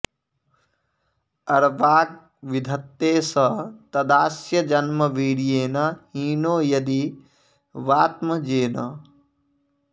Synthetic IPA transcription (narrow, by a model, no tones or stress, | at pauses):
ɐɾʋaːk̚ | ʋid̪ʱɐt̪ːeːsɐt̪ɐd̪aːsjɐd͡ʒɐnmɐʋiːɽijeːnɐhiːnoːjɐd̪i | ʋaːt̪mɐd͡ʒeːnɐ